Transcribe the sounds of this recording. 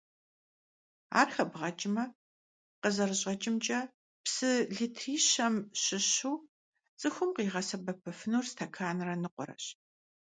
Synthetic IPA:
a̰ːrxɐbʁɐt͡ʃʼɪmɐ | qəzɐrɨɕʼɐt͡ʃʼɪmt͡ʃʼɐ | psɨɮiːtʰriːɕɐmɕɪɕuː | t͡sʼɨxʷʊmqiːʁɐsɐbɐpʰɨfɨnuːrstʰɐkʰaːnrɐnɨqʷʊ̰ɾɐ̰ɕ

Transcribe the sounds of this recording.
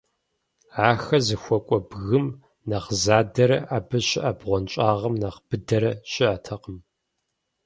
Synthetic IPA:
aːxɐzɨxʷɔkʷʼɔbɣɨm | nɐχzaːdɐɾɐʔaːbɐɕɪʔabʁʷɔnt͡ʃʼaːʁɐmnɐqb̥ɨdɐɾɐɕɪʔatʰɐqəm

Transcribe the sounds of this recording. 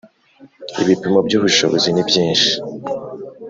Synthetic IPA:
ḭβipimobɟuːβuʃo̰βozinibjĩːnʃi̥

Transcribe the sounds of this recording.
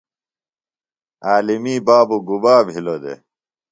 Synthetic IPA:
aːlimiːbaːbuɡubaːbɦilod̪ḛ

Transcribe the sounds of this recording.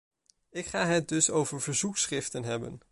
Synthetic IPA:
ɪkχaːɦət̚dɵsowvəɹv̥əɹzuksχrɪftənɦɛbə̰n

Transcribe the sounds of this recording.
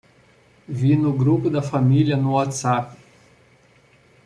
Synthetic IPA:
vinuɡɾukʼd̪afamʲilʲijanuat͡sakʲʷ

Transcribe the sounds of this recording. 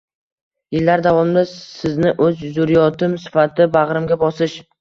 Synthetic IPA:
jɪlːaɾd̪avɒmɪd̪asɪznɪʔɵzzʊɾijɒt̪ʰɪmsɪ̥fat̪ʰɪbaʁɾɪmɡʲabɒsɪʃ

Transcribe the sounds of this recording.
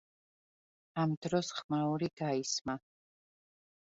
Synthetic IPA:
amd̪ɾɔsχmauɾiɡ̥aisma

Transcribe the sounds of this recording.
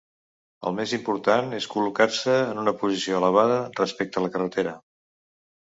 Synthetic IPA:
ə̰lˠmezimpuɾt̪aneskulukarsəːnunəpuzisioələβ̞aðərəspek̚t̪ələkərət̪eɾə

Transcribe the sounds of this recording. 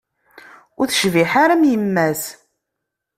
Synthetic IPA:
ʊɾθə̥ʃviħaɾæmjəmːæs

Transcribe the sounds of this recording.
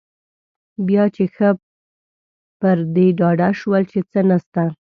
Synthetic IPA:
bjɑt͡ʃexə | pəɾd̪eɖɑɖaʃwəlt͡ʃet͡sənast̪a

